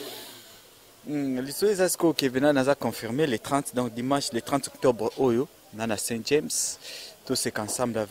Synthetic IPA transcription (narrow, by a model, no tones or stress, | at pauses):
lisoezasi̥kokevenanazakɔ̃fiʁmelet̪χɑ̃t̪d̪ɔ̃k̚d̪imɑ̃ʃlet̪χɑ̃tɔk̚tɔbʁojo | nanasɛ̃ʒemstosekɑ̃sɑ̃mblav